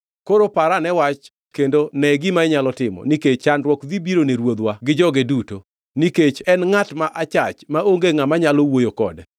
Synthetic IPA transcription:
koɾopaɾanɛwat͡ʃ | kendonɛɡɪmaɛɲalɔtɪmɔ̰niket͡ʃanɾwɔkðibiɾoneɾwod̪waɡɪd͡ʒɔɡeduto | niket͡ʃɛnŋatmaʔat͡ʃat͡ʃmaoŋɡeŋamaɲalowojokɔ̰dɛ

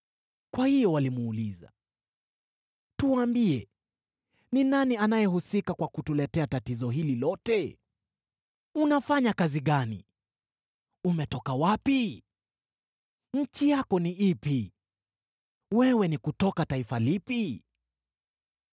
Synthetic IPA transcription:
kwahijɔwalimuːliza̰ | tuwaːmbiɛ | ninanianajɛhusikakwakutulɛtɛatatizɔɦililɔtɛ | unafaɲakaziɠanḭ | umɛtɔkawapi | ɲ̩t͡ʃijakɔniʔipi | wɛwɛnikutɔkataifalipi

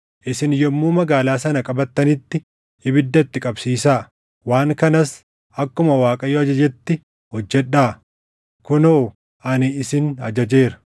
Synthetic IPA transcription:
ʔɪsɪnjɔmːuːmɐɡaːlaːsɐnɐkʼɐbɐt̪ːɐnɪt̪ːɪ | ɪbɪd̪ːɐt̪ːɪkʼɐbsiːsaː | waːŋkɐnɐs | ʔɐkːʊmɐwaːkʼɐjoɐd͡ʒɐd͡ʒɛt̪ːɪ | hɔd͡ʒːɛᶑːaː | kʊnoː | ʔɐnɪɪsɪnɐd͡ʒɐd͡ʒe̞ːɾɐ̥

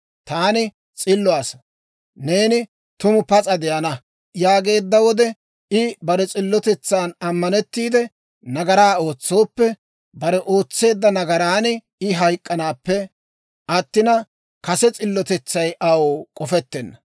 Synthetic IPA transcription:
t̪aːnɪ | t͡sʼɪlːʊaːs | ne̞ːnɪ | t̪ʊmʊpɐt͡sʼɐd̪ɛjɐnɐ | jaːɡe̞ːd̪ːɐwɔd̪ɛ | ɪbɐɾɛt͡sʼɪlːɔt̪ɛt͡sːaːnɐmːɐnɛt̪ːiːd̪ɛ | nɐɡɐɾaːo̞ːt͡sːo̞ːpːɛ | bɐɾɛʔo̞ːt͡sːe̞ːd̪ːɐnɐɡɐɾaːnɪ | ɪɦɐjkʼːɐnaːpːɛ | ʔɐt̪ːɪnɐ | kɐsɛt͡sʼɪlːɔt̪ɛt͡sːɐjʔɐwokʼɔfɛt̪ːɛnːɐ

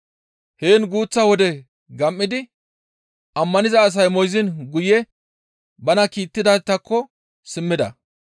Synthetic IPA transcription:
he̞ːnɡuːt͡sːɐwɔd̪ɛ | ɡɐmʔːɪd̪ɪ | ʔɐmːɐnɪzɐːs̬ɐjmɔjzɪnɡʊjɛ | bɐnɐkiːt̪ːɪd̪at̪ːɐkːɔ | sɪmːɪd̪ɐ

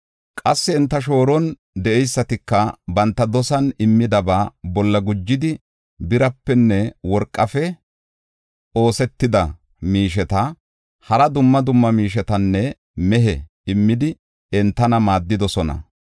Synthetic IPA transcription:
kʼɐsːɪɪnt̪ːɐʃ̬o̞ːɾɔn | d̪ɛʔɛjsːɐt̪ɪkːɐbɐnt̪ːɐd̪ɔsɐnɪmːɪd̪ɐbaːbɔlːɐɡʊd͡ʒːɪd̪ɪ | bɪɾɐpːɛnːɛwɔɾkʼːɐfɛ | o̞ːsɛt̪ːɪd̪ɐ | miːʃɛt̪ɐ | hɐɾɐd̪ʊmːɐd̪ʊmːɐmiːʃ̬ɛt̪ɐnːɛ | mɛɦɛ | ɪmːɪd̪ɪ | ɛnt̪ːɐnɐmaːd̪ːɪd̪ɔsɔnɐ̰

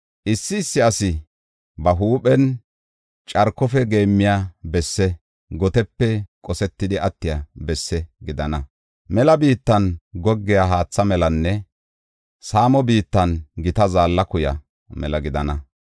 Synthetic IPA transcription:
ʔɪsːɪːsːɪɐsɪ | bɐɦuːpɛn | t͡ʃʼɐɾkːɔfɛɡe̞ːmːɪjaːbɛsːɛ | ɡɔt̪ɛpːɛkʼɔsɛt̪ːɪd̪ɪʔɐt̪ːɪjabɛsːɛɡɪd̪ɐnɐ | mɛlɐbiːt̪ːɐnɡɔɡːɪjaɦaːt͡sːɐmɛlɐnːɛ | saːmɔbiːt̪ːɐnɡɪt̪ɐzaːlːɐkʊjɐ̰ | mɛlɐɡɪd̪ɐnɐ

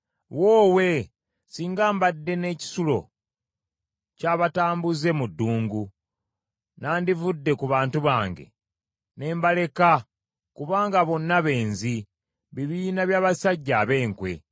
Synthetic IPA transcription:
woːwe̞ | siːŋɡaːmbadːe̞ne̞ːci̥sulo̞̰ | caːβataːmbuze̞mudːuːŋɡu | naːndivudːe̞kuβaːntuβaːŋɡe̞̰ | ne̞ːmbale̞ka | kuβaːŋɡaβo̞nːaβe̞ːnzi | βiβiːnaβjaːβasaɟːaːβe̞ːŋkwe̞̰

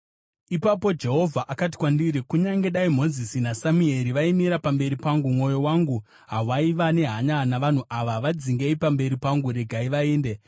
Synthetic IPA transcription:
ipapo̞d͡ʒe̞ɦo̞vʱaʔakati̥kwandiɾikuɲaŋɡe̞ɗaim̤o̞zisinasamue̞ɾiʋaimiɾapambe̞ɾipaŋɡumŋo̞jo̞waŋɡu | ɦaʋaiʋane̞ɦaɲanaʋan̤uʔaʋaʋad͡ziŋɡeipambe̞ɾipaŋɡuɾe̞ɡʱaiʋaeːnde̞

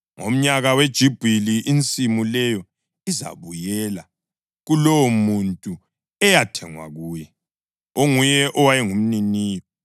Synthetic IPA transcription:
ŋo̰m̩ɲaɣawed̥ʒ̥ʱib̥ʱiliʔint͡sʼimulɛjɔ | iza̰βujɛːla | ɣulɔwɔmuntʼu | ɛjatʰɛŋwa̰ɣuːjɛ | oŋujɛʔɔwajɛŋum̩niniːjɔ

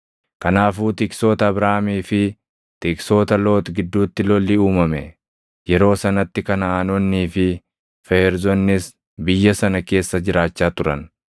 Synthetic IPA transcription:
kɐnaːfuːt̪ɪksoːt̪ɐːbɾaːmiːfɪ | t̪ɪkso̞ːt̪ɐlo̞ːt̪ɡɪd̪ːuːt̪ːɪlɔlːɪuːmɐmɛ | jɛɾo̞ːsɐnɐt̪ːɪkɐnaːnɔnːiːfɪ | fɛɾzɔnːɪs | bɪjːɐsɐnɐke̞ːsːɐd͡ʒɪɾaːt͡ʃːaːt̪ʊɾɐ̰n

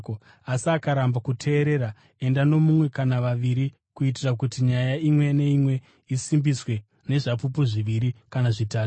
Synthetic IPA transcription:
asiakaɾambakutʰe̞ːɾe̞ɾa | e̞ndano̞mumwe̞kanaʋaʋiɾi | kuitirak̬utiɲajaimwe̞ne̞imwe̞ | isimbiswe̞ | ne̞ʐapup̬uʐiʋiɾikanaʐitaːu

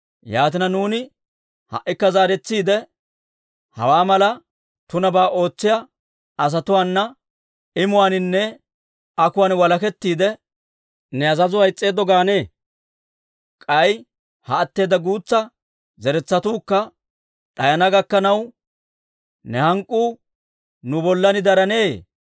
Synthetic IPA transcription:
jaːt̪̬ɪnɐnuːnɪ | hɐ̰ʔːɪkːɐzaːɾɛt͡sːiːd̪ɛ | hɐ̰waːmɐlɐ | t̪ʊnɐbaːʔo̞ːt͡sːɪjɐ | ɐs̬ɐt̪ʊwaːnːɐ | ɪmʊwaːnɪnːɛ | ɐkʊwaːnwɐlɐkɛt̪ːiːd̪ɛ | nɛɐzɐzʊhɐjt͡sʼːe̞ːd̪ːɔɡaːne̞ː | kʼɐj | hɐːt̪ːe̞ːd̪ɐɡuːt͡sːɐ | zɛɾɛt͡sːɐt̪uːkːɐ | ᶑ̪ɐjɐnɐɡɐkːɐnɐw | nɛhɐŋkʼːuː | nʊbɔlːɐnɪd̪ɐɾɐneː

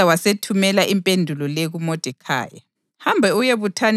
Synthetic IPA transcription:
awasetʰumɛlaʔimpʼendʱulɔleɣumɔd̥ʱɛkʰa̰ːja | hambʱɛujeβutʰan

